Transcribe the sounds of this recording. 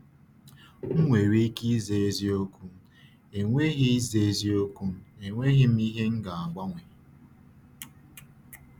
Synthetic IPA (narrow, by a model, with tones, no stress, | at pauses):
ŋ̩˦ŋʷe˨ɾi˦ki˦ze˨˦zi˦o˦kʷu˦ | e˨ŋʷe˦ɣi˦i˦ze˨e˦zi˦o˦kʷu˦e˨ŋʷe˦ɦi˦m̩˦i˦ɦe˦ŋ̩˦ɡa˨a˨ɡ͡bʷa˦ŋʷe˨